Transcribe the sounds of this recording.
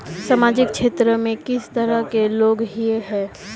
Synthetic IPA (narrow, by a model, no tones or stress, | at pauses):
samaːd͡ʒɪkʃeːt̪ɾəmẽkɪst̪əɾəkeloːɡɦieɦɛ̃ː